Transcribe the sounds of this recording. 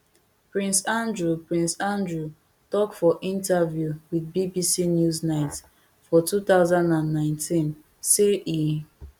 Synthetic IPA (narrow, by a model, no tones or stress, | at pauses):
pɹĩnsãndɹupɹĩnsãndɹu | tɔkfɔʔĩntavjuwiðbibisinjuznaɪt | fɔtutaʊzãndãnːãɪ̃ntʰĩn | seʔi